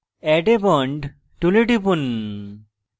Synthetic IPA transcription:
ɛʈebɔɳɖ | ʈuleʈipun

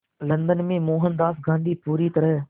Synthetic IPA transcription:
lɐ̃nd̪ənmẽmoːɦənd̪aːsɡãːnd̪ʱiːpuːɾit̪ɐɾəɦ

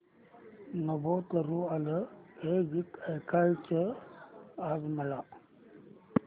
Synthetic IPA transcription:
nəbot̪əɾualəhed͡ʑikəjkʰajt͡ʃə | azməla

